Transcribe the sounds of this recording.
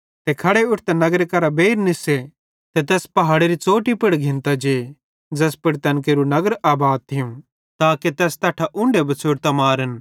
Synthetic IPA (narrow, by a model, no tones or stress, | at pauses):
t̪ekʰɐɽeʊʈʰt̪enɐɡəɾekɐɾabeːɾnɪse | t̪et̪̬ɛːspɐɦaːɽeɾit͡soːʈipɪɽɡʱɪ̃nt̪ad͡ʒeː | d͡ʒɐspɪɽt̪ɐnk̬eːɾunɐɡəɾaːbaːd̪̚t̪ʰɪjũ | t̪aːket̪ɛːst̪ɐːʈʰaʔʊ̃ɳɖebʱɐt͡sʰoːɽt̪amaːɾən